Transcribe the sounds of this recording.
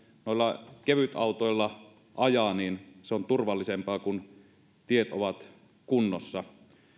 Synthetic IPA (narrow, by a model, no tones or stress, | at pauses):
noˑilːɑkeʋyt̪ɑˑut̪oˑilːɑ | ʔɑjɑniːnseont̪urʋɑlːisempɑːkun | t̪iet̪oʋɑt̪ | kunːosːɑ